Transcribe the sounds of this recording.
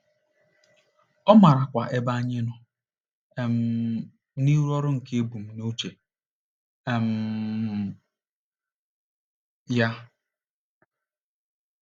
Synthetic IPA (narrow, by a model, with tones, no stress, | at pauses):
ɔ˦ma˨ɾa˨kʷa˨ʔe˦ba˦ɲe˦nʊ˦˨ | m̩˦ | ni˦ɾɔ˦ɾʊ˦ŋ̩˨ke˦e˦bu˨m̩˨no˦t͡ʃe˨ | m̩˨ | ja˦